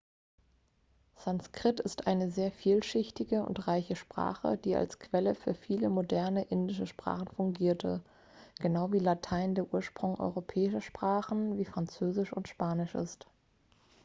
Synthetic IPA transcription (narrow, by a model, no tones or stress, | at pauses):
z̥anskʁ̥ɪtɪstʔaɪnəzeːɐfiːlʃɪçtɪɡəʊ̰ntʁaɪçəʃpʁ̥a̰ːχə̰d̥iːʔa̰lskv̥ɛləfyːɐfiːləmodɛɐnəʔɪndɪʃəʃpʁ̥a̰ːχn̩fʊŋɡiːɐtʰə̰ | ɡ̥ənaʊviːlatʰaɪndeːɐʔuːɐʃpʁ̥ʊŋʔɔ̰ʏʁopʰɛːɪʃɐʃpʁ̥aːχn̩viːfʁ̥ant͡søːzɪʃʊ̰ntʃpaːnɪʃʔɪ̰st